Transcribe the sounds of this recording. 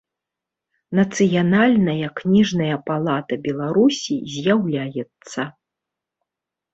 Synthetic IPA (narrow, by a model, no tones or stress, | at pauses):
nɐt̪sɨjanalʲnɐjɐknʲiʐnɐjɐpalˠat̪ɐbʲɛlˠaɾusʲizʲjawlʲajɛt̪sːɐ